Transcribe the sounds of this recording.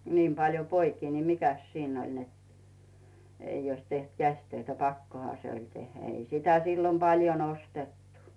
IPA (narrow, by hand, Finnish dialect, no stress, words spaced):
niːm pɑljo poikiː ni mikæs siːnː olʲ net ei oĭs teht kæsʲtøitæ pɑkːohɑ se olʲ tehːæ ei sitæ silːom pɑljon ostetːu